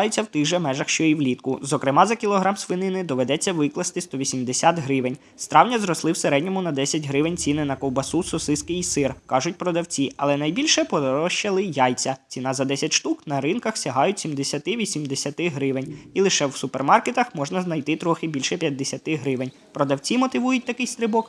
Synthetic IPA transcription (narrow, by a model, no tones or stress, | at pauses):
jet͡sʲːɐwt̪ɪʒɛmɛʒɐxʃt͡ʃɔjiwlʲit̪kʊzɔkɾɪmɑzɐkʲilˠɔɦɾɑmsʋɪnɪnɪd̪ɔʋed̪ɛt͡sʲːɐʋɪklˠɐst̪ɪst̪ɔʋʲisʲimd̪esʲat̪ɦɾɪʋenʲ | st̪ɾɑwnʲɐzɾɔslˠɪwseɾɛdʲnʲɔmʊnɐd̪ɛsʲɐtʲɦɾɪʋenʲt͡sʲinɪnɐkɔwbɐsusɔsɪskɪjisɪrkɑʒʊt̚ʲpɾɔd̪ɐwt͡sʲiɐlˠɛnɐjbʲilʲʃɛpɔd̪ɾɔʃt͡ʃɐlˠɪjɑjt͡sʲɐt͡sʲinɑzɐd̪ɛsʲɐtʲʃt̪uknɐɾɪnkɐxsʲɐɦɑjʊtʲsʲimd̪esʲɐt̪ɪʋʲisʲimd̪esʲɐt̪ɪɦɾɪʋenʲilˠɪʃɛwsʊpermɑrket̪ɐxmɔʒnɐznɐjt̪ɪt̪ɾɔxɪbʲilʲʃɛpʲjɐd̪ːesʲɐt̪ɪɦɾɪʋenʲ | pɾɔd̪ɐwt͡sʲimɔt̪ɪʋujʊtʲt̪ɐkɪjst̪ɾɪbɔk